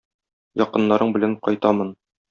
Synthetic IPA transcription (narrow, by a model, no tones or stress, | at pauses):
jɒqɤ̆nːɑɾɤɴbɘ̆læɴqɒjt̪ɑmɤn